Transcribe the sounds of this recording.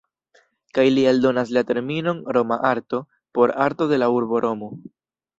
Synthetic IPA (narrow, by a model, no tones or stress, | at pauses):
kajlialdo̞naslate̞ɾmino̞nɾo̞maʔaɾto̞ | po̞ɾaɾto̞de̞lauɾbo̞ɾʔo̞mo